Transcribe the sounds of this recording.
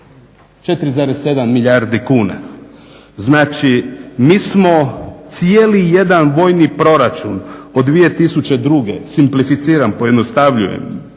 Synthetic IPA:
t͡ʃe̞t̪ɾizaɾesːe̞d̪amːiʎaɾd̪ikuːna | znaːt͡ʃimiːsmo̞t̪sijelije̞d̪anʋo̞jnipɾo̞ɾat͡ʃunod̪ːʋije̞t̪isut͡ɕe̞d̪ɾuɡe̞̰simplifit̪siːɾampo̞jed̪nost̪aʋʎṵjḛm

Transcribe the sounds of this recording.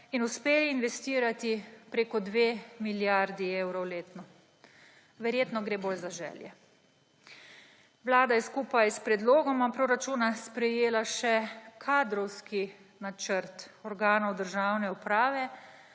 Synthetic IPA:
inuspeːliːnʋɛst̪iːɾat̪ipɾeːkɔd̪ʋeːmiljaɾd̪iewɾɔwleːt̪nɔ | ʋɛɾjeːt̪nɔɡɾeːboːlzaʒɛ̰ljɛ | ʋlaːd̪ajɛskuːpajspɾɛd̪loːɡɔmapɾoɾat͡ʃunaspɾɛjeːlaʃɛkʰaːd̪ɾɔwski | nat͡ʃəɾt̪ɔɾɡaːnɔwd̪əɾʒaːwnɛupɾaːʋɛ

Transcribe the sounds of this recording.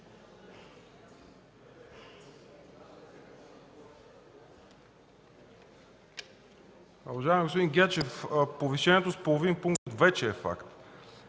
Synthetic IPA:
uvaʒaɛmiɡospod̪iŋɡʲat͡ʃɛfpoviʃɛniɛt̪ospolˠovinpuŋkt̪ət̪vɛt͡ʃɛːfa̰kt̪

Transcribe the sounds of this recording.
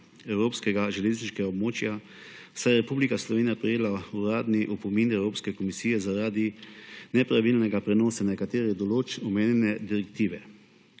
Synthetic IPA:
ɛwɾoːpskɛɡaʒɛleːzniʃkɛɡaɔbmoːt͡ʃja | sajɛɾɛpuːblikaslɔʋeːnijapɾɛjeːlauɾaːd̪niʔupɔminɛwɾoːpskɛkɔmisiːjɛzaɾaːd̪inɛpɾaʋilnɛɡapɾɛnɔːsanɛkat̪eːɾid̪ɔloːt͡ʃɔmeːnjɛnɛd̪iɾɛkt̪iːʋɛ

